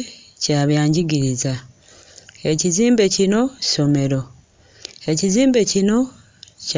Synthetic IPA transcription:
caːβjaːɲɟiɡiɾiza | e̞ciziːmbe̞cino̞̥so̞me̞ɾo̞ | e̞ciziːmbe̞cino̞ | c

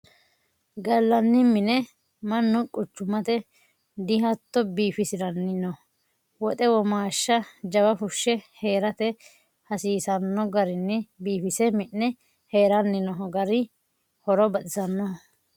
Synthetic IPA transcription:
ɡɐlːɐnːɪmɪnɛ | mɐnːʊkʼʊt͡ʃːʊmɐt̪ɛ | d̪ɪɦɐt̪ːɔbiːfɪsɪɾɐnːɪnɔ | wɔt̪ʼɛwɔmaːʃːɐd͡ʒɐbɐfʊʃːɛhe̞ːɾɐt̪ɛ | hɐsiːsɐnːɔɡɐɾɪnːɛbiːfɪsɛmɪʔːɛ | heːɾɐnːɪnɔɡɐɾɪ | hɔɾɔbɐt̪ɪsɐnːɔ

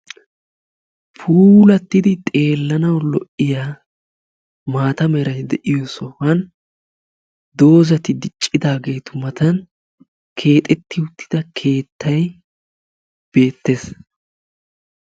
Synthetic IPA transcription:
pʰuːlɐt̪ːɪd̪ɪt̪ʼe̞ːlːɐnɐwlɔʔɪjaː | maːt̪ɐmɛɾɐjd̪ɛʔɪjɔsɔhɐn | d̪o̞ːzɐt̪ɪd̪ɪt͡ʃʼːɪd̪aːɡe̞ːt̪ʊmɐt̪ɐn | kʰe̞ːt̪ʼɛt̪ːɪwʊt̪ːɪ̥d̪̥ɐkʰe̞ːt̪ːɐj | b̥e̞ːt̪ːe̞s

